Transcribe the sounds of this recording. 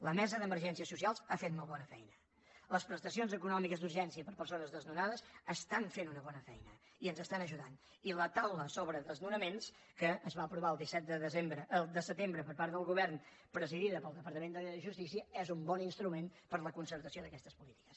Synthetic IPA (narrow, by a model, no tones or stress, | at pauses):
ləmɛzəðəməɾʒɛnsiəsusialˠzafet̪umɔlˠβɔnəfɛ̰jnə | ləspɾəst̪əsionzəkunɔmikəzd̪uɾʒɛnsiəpəɾpəɾsonəzðəznunaðəzəst̪aɱfenunəβɔnəfɛjnə | iənzəst̪anəʒuðan | ilət̪awləsoβɾəðəlˠznunəmens | kəːzβaəpɾuβaəlˠd̪isɛt̪̚d̪əðəzembɾəʔːlˠd̪əsət̪embɾəpəɾpaɾt̪d̪əlˠɣuβɛrn | pɾəziðiðəpəlˠd̪əpəɾt̪əmend̪əʒust̪isiəɛzumbɔninst̪ɾumenpəɾləkunsəɾt̪əsioðəkɛst̪əspulit̪i̥kə̥s